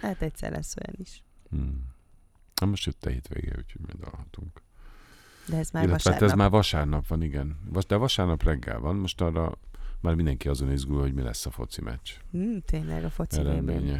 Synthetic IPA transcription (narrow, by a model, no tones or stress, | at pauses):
aːt̪ɛcsɛ̰rlʔɛ̰sːojɛ̰niʃ̩ | ɛmoʃt̪øt̪ːɛ̰hiːt̪ʋḛːɡḛːṵcʰoɟmḭnd̪ɒ̰lhɒt̪uŋk | d̪ɛɛailːɛʋɛaːt̪ːɛɛzmaːrvɒʃaːrnɒpʋɒniɡɛnvɒd̪ɛːvɒʃaːrnɒprɛɡːɛ̰lvɒnmo̞ʃt̪ɒrːɒ̰maːrmind̪ɛŋkiɒzo̞nizɡulɦo̞ɟmilɛ̰sːɒfo̞̰t̪simʔɛ̰t͡ʃt̪ʰeːɲlɛ̰ɡɒfot̪sɛɾɛd̪meːɲɛ